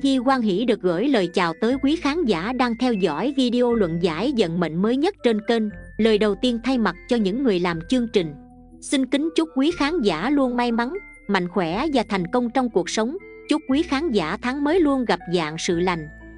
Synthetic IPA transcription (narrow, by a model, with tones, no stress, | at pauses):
ɣi˧kwaː˧nɦḭ˧˥ɗɨ˨˩ək̚ɣə̰ː˧˥jləː˨˩jt͡ɕa̰ː˨˩wt̪əː˨˦jkwi˨˦xaː˨˦nzaː˧˥ɗaː˧ŋt̪ʰɛ˧wzɔ̰˧˥jvi˧ɗi˧ʔo˧lwə̰˧˨nza̰ː˧˥jzə̰˧˨nmə̰˧˨ŋ̟məː˨˦jɲə˦˥t̚t͡ɕe˧nke˧nləː˨˩jɗə˨˩wt̪i˧ənt̪ʰa˧jma˨˩t̚t͡ɕɔ˧ɲɨ̰˧˥ŋːɨ˨˩əjlaː˨˩mt͡ɕɨ˧əŋt͡ɕï˨˩ŋ̟ | si˧ŋ̟kï˨˦ŋ̟t͡ɕʊ˦˥k͡p̚kwi˨˦xaː˨˦nza̰ː˧˥lu˧ənma˧jma˨˦n | ma̰˧˨jŋ̟xwɛ˧˩˥vaː˨˩t̪ʰa˨˩jŋ̟kə˧wŋ͡mt͡ɕɔ˧wŋ͡mku˨˩ək̚sə˨˦wŋ͡m | t͡ɕʊ˦˥t̚kwi˨˦xaː˨˦nza̰ː˧˩˥t̪ʰa˨˦ŋməː˨˦jlu˧ənɣa˨˩p̚za̰ː˧˨ŋsɨ̰˧˨la˨˩jŋ̟